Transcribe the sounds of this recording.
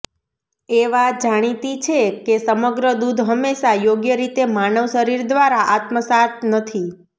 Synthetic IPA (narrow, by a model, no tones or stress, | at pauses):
eʋad͡ʒaɽ̃it̪it͡ʃʰekesəməɡɾəd̪ud̪ʱɦəmːeʃajoɡjəɾit̪emanəʋʃəɾiɾd̪ʋaɾaʔat̪məsat̪nət̪ʰi